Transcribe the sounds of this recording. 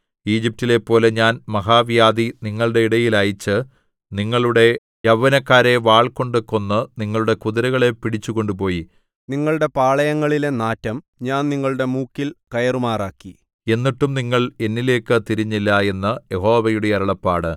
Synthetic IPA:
iːd͡ʑip̚tile̞pːo̞ːle̞ɲaːnmɐɦaːʋjaːd̪iniŋːɐɭuɽe̞iɽɐjilɐjit͡ɕːɨ | niŋːɐɭuɽe̞ | jɐʋːɐnɐkːaːɾe̞ʋaːɭko̞ɳɖɨkːo̞nːɨniŋːɐɭuɽe̞kuðɐɾɐɣɐɭe̞pːiɽit͡ɕːuɣo̞ɳɖup̬o̞ːji | niŋːɐɭuɽe̞paːɭɐjɐŋːɐɭile̞naːtːɐm | ɲaːnniŋːɐɭuɽe̞muːkːilkɐjɐrumaːraːkːi | e̞nːiʈːumniŋːɐɭe̞nːile̞ːkːɨt̪iɾiɲːilːɐe̞nːɐje̞ho̞ːʋɐjuɽe̞jɐɾɐɭɐpːaːɽɨ

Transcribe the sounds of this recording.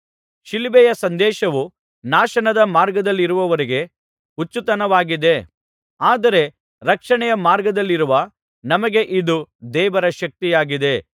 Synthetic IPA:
ʃilibɛjɐsɐnd̪ɛːʃɐʋu | naːʃɐnɐd̪ɐmaːɾɡɐd̪ɐlːiɾuʋɐʋɐɾiɡe̞ | ut͡ʃːut̪ɐnɐʋaːɡid̪e̞ | aːd̪ɐɾe̞ | ɾɐkʂɐɳɛjɐmaːɾɡɐd̪ɐlːiɾuʋɐ | nɐmɐɡe̞ʔid̪ud̪ɛːʋɐɾɐʃɐk̚t̪ijaːɡid̪e̞

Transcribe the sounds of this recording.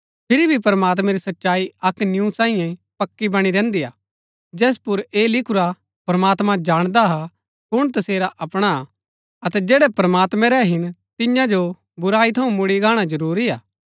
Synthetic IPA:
pʰɪɾibʱipɐɾɐmaːt̪̬mɛ̃ɾisɐtːʃaːiɐknjusãːĩjɛ̃pɐkːibɐɽ̃iɾɛ̃ːnd̪ija̰ː | d͡ʒɛːs̬pʊɾeːlɪkʰʊɾa | pɐɾɐmaːt̪mãd͡ʒaːɽ̃d̪aɦa | kʊɽ̃t̪̬ɐseːɾaʔɐpɽ̃a | ɐt̪ɛd͡ʒɛːɽɛpɾɐmaːt̪mɛ̃ɾɛɦɪnt̪ɪjãd͡ʒo | bʊɾaːit̪ʰɐũmʊɽiɡaːɽ̃ad͡ʒɐɾuːɾiaː

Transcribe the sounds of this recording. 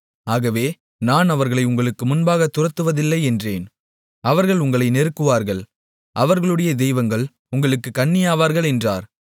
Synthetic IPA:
aːɣɐʋeː | naːnɐʋɐɾɣɐɭɐɪʊŋɡɐɭɯkːɯmʊnbaːɣɐt̪ːʊrɐt̪ːɯʋɐðɪlːɐɪɛndreːn | ɐʋɐɾɣɐɭʊŋɡɐɭɐɪnɛɾɯkːɯʋaːɾɣɐɭ | ʔɐʋɐɾɣɐɭɯɽɐjɐd̪ɛjʋɐŋɡɐɭ | ʊŋɡɐɭɯkːɯkːɐɳːɪjaːʋaːɾɣɐɭɛndra̰ːɾ

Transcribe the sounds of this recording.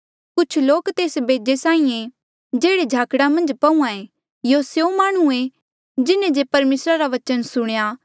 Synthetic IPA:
kʊt͡ʃʰloːkt̪eːsbeːd͡ʒesãːĩẽ | d͡ʒeːɽed͡ʒʱaːkɽamɐ̃nd͡ʒpɐũãe | joːsjõmaːɽ̃ue | d͡ʒɪnẽd͡ʒepɐɾmeːsɾaɾaʋɐt͡ʃənsʊɽ̃ja

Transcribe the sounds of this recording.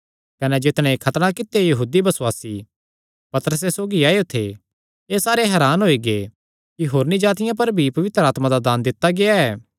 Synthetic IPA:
kɐnɛd͡ʒɪt̪ɽ̃ɛ̃ekʰɐt̪ɽ̃akɪt̪ːejɐɦuːd̪ibɐsʊwaːsi | pɐt̪əɾəs̬esoːɡiaːeot̪ʰe | eːsaːɾeɦɛːɾaːnɦoːiɡe | kiɦoːɾnid͡ʒaːt̪ɪjãp̬ɐɾbʱipɐʋɪt̪ɾaːt̪mãd̪ad̪aːnd̪ɪt̪ːaɡeaɛː

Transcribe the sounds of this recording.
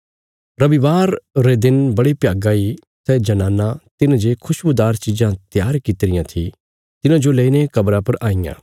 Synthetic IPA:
ɾɐʋiʋaːɾːed̪ɪnbɐɽipjaːɡãi | sɛd͡ʒɐnaːnat̪ɪnd͡ʒeːkʰʊʃbud̪aːɾt͡ʃid͡ʒãt̪jaːɾkɪt̪ɾɪjãt̪ʰi | t̪ɪnãd͡ʒoleːinekɐbɾãpɐɾaːijã̰ː

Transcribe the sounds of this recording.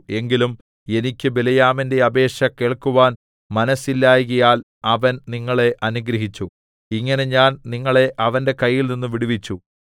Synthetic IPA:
e̞ŋɡilum | e̞nikʲːɨbelɐjaːminde̞ɐbe̞ːʂɐke̞ːɭkuʋaːn | mɐnɐsilːaːjɣɐjaːl | ɐʋɐnniŋːɐɭe̞ʔɐnuɡɾɐɦit͡ɕːu | iŋːɐne̞ɲaːnniŋːɐɭe̞ʔɐʋɐnde̞kɐjːilninːuʋiɽuʋit͡ɕːu

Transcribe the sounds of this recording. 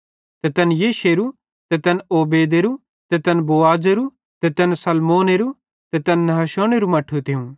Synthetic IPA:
t̪ɛt̪ɐnjeːʃeːɾu | t̪ɛt̪ɐnoːbeːd̪eɾu | t̪ɛt̪ɐnboːaːd͡ʒeɾu | t̪ɛt̪ɐnsɐlmoːneɾu | t̪ɛt̪ɐnːɐɦɐʃoːneɾumɐʈʰːut̪ʰɪũ

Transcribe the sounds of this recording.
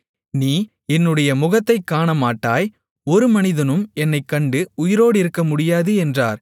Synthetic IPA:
niː | ɛnːɯɽɐjɐmʊɣɐt̪ːɐɪkːaːɳɐmaːʈːaːj | ɔɾɯmɐnɪðɐnɯmɛnːɐɪkːɐɳɖɯʊjɪɾoːɽɪɾɯkːɐmʊɽɪjaːðɯɛndra̰ːɾ

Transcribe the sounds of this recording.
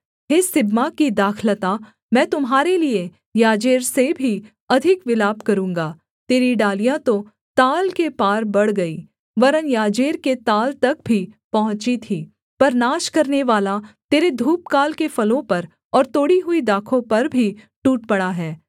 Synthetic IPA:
ɦeːsɪbmakid̪aːkʰlət̪a | mɛ̃ːt̪ʊmɦaːɾelie | jaːd͡ʒeːɾsebʱi | ɐd̪ʱɪkʋɪlaːbkɐɾũːŋɡaː | t̪eːɾiɖaːlijãt̪o | t̪aːlkepaːɾbɐɽ̤ɡɐiː | ʋɐɾənjaːd͡ʒeːɾket̪aːlt̪ɐk̚bʱipɐɦʊ̃t͡ʃit̪ʰiː | pɐɾnaːʃkɐɾneʋaːlat̪eːɾed̪ʱuːp̚kaːlkefɐlõpɐɾ | ɔːɾt̪oːɽiɦʊid̪aːkʰõpɐɾbʱi | ʈuːʈ̚pɐɽaɦɛː

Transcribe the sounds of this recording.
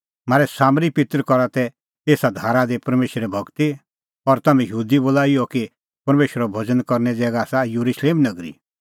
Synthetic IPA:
maːɾɛsaːmɾipɪt̪əɾkɔɾat̪ɛ | eːsad̪ʱaːɾad̪epɐɾmeːʃɾɛbʱɐɡt̪i | ɔɾt̪ɐmɛ̃jəɦuːd̪iboːlaːiɔki | pɐɾmeːʃəɾɔbʱɐd͡zənkɔɾnɛd͡zɛːɡaːsajuɾuʃleːmnɐɡɾḭ

